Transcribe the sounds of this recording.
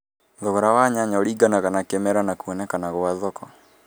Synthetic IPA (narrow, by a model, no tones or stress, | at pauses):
ðɔɣɔɾawaɲaɲaoɾiːɡanaɣanakemɛɾanakuɔnɛkanaɣwaðɔkɔ